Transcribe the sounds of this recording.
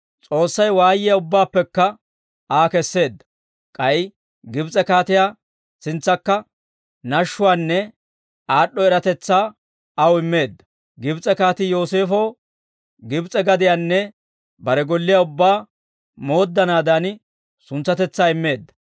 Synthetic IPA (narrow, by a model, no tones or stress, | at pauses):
t͡sʼo̞ːsːɐjwaːjɪjaʊbːaːpːɛkːɐ | aːkɛsːe̞ːd̪ːɐ̥ | kʼɐj | ɡɪbt͡sʼɛkaːt̪ɪjaː | sɪnt͡sːɐkːɐ | nɐʃːʊwaːnːɛ | aːɗːɔɛɾɐt̪ɛt͡sːaː | ɐwɪmːe̞ːd̪ːɐ̥ | ɡɪbt͡sʼɛkaːt̪ɪjo̞ːse̞ːfoː | ɡɪbt͡sʼɛɡɐd̪ɪjaːnːɛ | bɐɾɛɡɔlːɪjɐʊbːaː | mo̞ːd̪ːɐnaːd̪ɐn | sʊnt͡sːɐt̪ɛt͡sːaːɪmːe̞ːd̪ːɐ̥